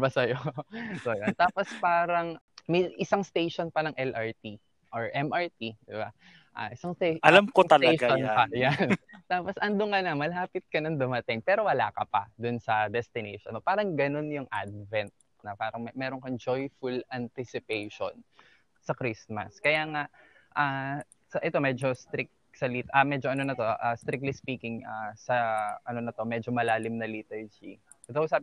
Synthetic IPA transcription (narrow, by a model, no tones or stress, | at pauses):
bɐsɐjosɐjont̪aːpospaːɾɐŋ | mɐjʔɪsaŋst̪ejʃonpɐlɐŋʔɛlʔɐɹt̪i | ʔoɹʔɛmɐɹt̪id̪ɪba | ʔa̰ːʔɪsaŋeɐlamkot̪ɐlɐɡonpɐjant̪aːposʔɐnd̪oŋɐnɐmɐlaːpɪt̪̚kɐnɐŋd̪ʊmɐt̪ɪŋpɛːɾo̞wɐla̰ːkɐpɐ̰d̪ʊnsɐd̪ɛst̪ɪnḛʃonopaːɾɐŋɡɐno̞njʊŋʔa̰d̪̚vɛnt̪̚ | nɐpaːɾɐŋmɛːɾoŋkɐŋd͡ʒojfʊlɐnt̪ɪsɪpejʃo̰n | sɐkɾismɐ̰skɐjaːŋaʔ | ʔa | sɐʔɛt̪o̞mɛːd͡ʒo̞st̪ɾɪk̚ | sɐliːt̪ʔɐmɛd͡ʒoʔɐnonɐt̪o̞ʔast̪ɾɪk̚t̪lispiːkɪŋʔasɐʔɐno̞nɐt̪o̞mɛd͡ʒo̞mɐlaːlɪmnɐlit̪ɐɹd͡ʒḭ | t̪oʊsaːp